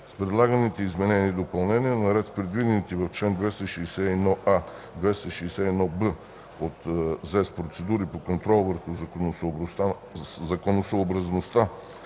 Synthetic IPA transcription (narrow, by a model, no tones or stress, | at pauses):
spɾɛd̪lˠaɡənit̪ɛizmɛnɛniːd̪opɐlˠnɛniənɐɾɛt̪spɾɛd̪vid̪ɛnit̪ivɐft͡ʃlɛnd̪vɛst̪əʃɛːsɛɛd̪nɔʔa | d̪vɛst̪əʃɛːsɛɛd̪nɔbə | ot̪zɛspɾot̪sɛd̪uɾipokont̪ɾɔlˠvəɾxʊ | zɐkonosoːbɾɐznost̪a